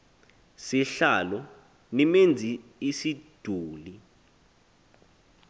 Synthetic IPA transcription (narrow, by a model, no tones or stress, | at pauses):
siɬalɔ | nimend͡zʱiisid̥ʱuːli